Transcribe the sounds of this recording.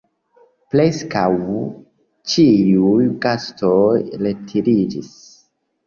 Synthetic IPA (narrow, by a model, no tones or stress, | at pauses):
pleskaw | t͡ʃiujɡastojletʰiɾid͡ʒis